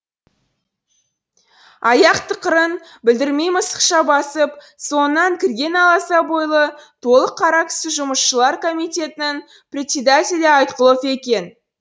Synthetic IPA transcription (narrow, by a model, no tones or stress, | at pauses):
ɑjɑqt̪ʰəqəɾənbɪld̪ɪɾme̞jməsə̥qʃɑbɑsəp | so̞nənːɑŋkʲʰɪɾɡʲe̞nɑlˠɑsɑbo̞jlˠət̪ʰo̞lˠəqʰːɑɾɑk̪ʏ̥sɪʒʊməsʃəlˠɑɾko̞mijt̪ʲe̞t̪ɪnɪŋ | prʲɪt̪sʲed̪at̪ʲelʲeɑjt̪qəlˠəpe̞kʲe̞n